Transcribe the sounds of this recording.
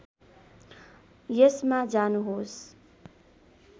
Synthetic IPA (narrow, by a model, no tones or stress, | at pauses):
jʌsmãd͡zanuɦos